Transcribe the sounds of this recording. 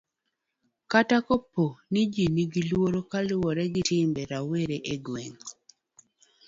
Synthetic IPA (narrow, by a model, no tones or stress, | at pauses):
katakopːonid͡ʒiniɡilwoɾokalwɔɾɛɡitɪmbɛɾaweɾeʔeɡweŋ